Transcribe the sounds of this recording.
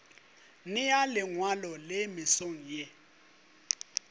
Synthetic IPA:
nɪjalɪŋwalɔlemɪsoŋ̩je

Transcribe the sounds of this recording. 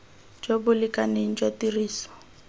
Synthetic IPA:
d͡ʒobʊlɪkʼaneŋ̩d͡ʒatiriːsɔ̥

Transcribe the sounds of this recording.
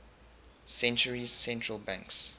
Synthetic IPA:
sɛ̃nt͡ʃəɹiz̥sɛ̃ntɹəlˠbãŋks

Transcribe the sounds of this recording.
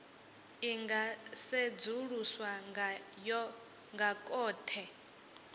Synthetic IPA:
iŋɡased͡zuɺuswajɔ | ŋɡakʼɔːtʰɛ

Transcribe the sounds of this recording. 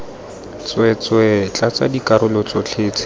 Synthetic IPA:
t͡swɛt͡swɛt͡ɬʼat͡sa̰dikaɾʊlɔt͡sɔt͡ɬʰeːt͡sʰʼɪ̥

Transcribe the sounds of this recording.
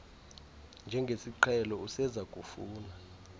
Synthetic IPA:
nd͡ʒʱɛŋɡʱesiǃʰɛlɔusɛzakʼufuːna

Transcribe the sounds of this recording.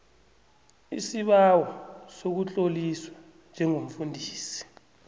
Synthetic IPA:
isiɓawɔsok̬ut͡ɬʼoliswa | nd͡ʒʱɛŋom̩fundʱiːsi̥

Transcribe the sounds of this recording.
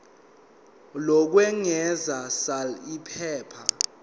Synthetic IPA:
lɔk̬wɛŋɛzasalipʰɛːpʰa

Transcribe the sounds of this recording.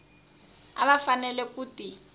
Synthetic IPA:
a̰βafanɛlɛkuti

